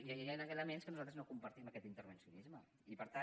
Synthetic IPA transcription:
jaanəkələmenskənuzalˠt̪ɾəznokumpəɾt̪iməkɛt̪int̪əɾβənsiunizmə | ipəɾt̪a

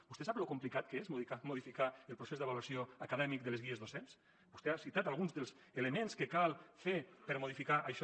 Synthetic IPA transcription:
b̥ust̪esaplokumplikat̪̚kəezmuðiamuðifikaəlˠpɾusezðəβaluasioəkaðɛmik̚d̪əlezɣiezðosens | bust̪easit̪at̪alˠɣunzðəlˠz | eləmẽnskəkalˠfepəɾmuðifikaʔəʃ

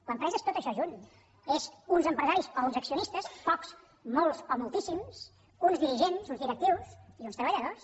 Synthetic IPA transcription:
ləmpɾɛzəest̪ot̪əʃɔʒun | ezunzəmpɾəzaɾisɔunzəksiunist̪əsfɔks | molˠzɔmulˠt̪isims | unzðiɾiʒenzunzðiɾək̚t̪iwsiunst̪ɾəβəʎəðos

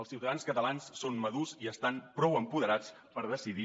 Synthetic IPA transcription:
əlˠsiwt̪əðanskət̪əlanssːonməðuziəst̪ampɾɔwəmpuðəɾat͡s | pəɾðəsiði

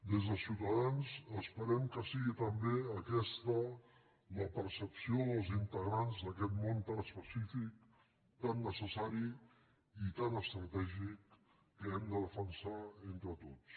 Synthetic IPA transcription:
d̪ezðəlˠsiwt̪əðanzəspəɾɛmkəsiɣit̪əmbeəkɛst̪ə | ləpəɾsəpsioðəlˠzint̪əɣɾanzd̪əkɛt̪mont̪anəspəsifik̚ | t̪anːəsəsaɾi | it̪anəst̪ɾət̪ɛʒikː | əɛmd̪əðəfənsaent̪ɾət̪ot͡s

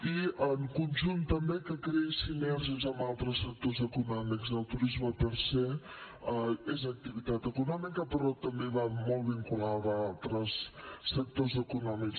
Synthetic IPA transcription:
iəŋkunʲʒunt̪ːəmbekəkɾesinɛɾʒəzəmbalˠt̪ɾəsːək̚t̪ozəkunɔmikzəlˠt̪uɾizməpəɾse | əezək̚t̪iβit̪at̪əkunɔmikəpəɾɔt̪əmbeβamɔlˠβiŋkulaðəalˠt̪ɾəsːək̚t̪ozəkunɔmik

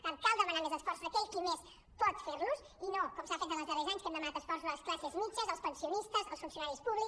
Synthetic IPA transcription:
ɾt̪ãnt̪̚kalˠd̪əmɐnaɾmezɐsfɔɾsuðɐkeʎkɨmes | pɔt̪feɾnus | inõkomʒafejt̪ɐ̃lɐzðɐrɛjzaɲusk̪emd̪ɐmɐnat̪ɐsfɔɾs̬uzðəlˠɐsklˠasəzmit͡ʃɐzɐlˠspɐnsiunist̪ɐzɐlˠsfunsiunaɾjispuβlˠi

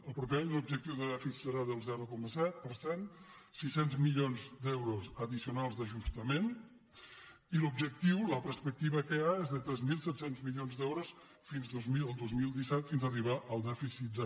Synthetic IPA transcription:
əlˠpɾupeaɲəlubʒək̚t̪iwðəðɛfisisəɾaðəlˠzɛɾukɔməsɛt̪̚pəɾsen | sisenzmiʎonzd̪ɛwɾozəðisiunalˠzd̪əʒust̪əmen | ilubʒək̚t̪iwləpəɾspək̚t̪iβəkəaezðət̪ɾɛzmilˠsɛt̪senzmiʎonzd̪ɛwɾos | finzðozmiəlˠd̪ozmilˠd̪isɛt̪finzəriβaʔəlˠd̪ɛfisit̪̚d̪ə

